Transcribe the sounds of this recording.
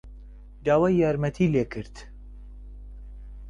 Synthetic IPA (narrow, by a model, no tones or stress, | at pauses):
d̪aːwaːjjaːɾmɛt̪ʰiːleːkʰɨɾt̪